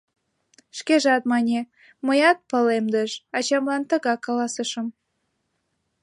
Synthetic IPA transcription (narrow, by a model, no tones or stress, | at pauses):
ʃkeʒɑt̪̚mɑnʲe | məjɑt̪̚pəlemd̪əʒɑt͡ɕɑmlɑnt̪ə̆ɣɑkɑlɑsəʃə̆m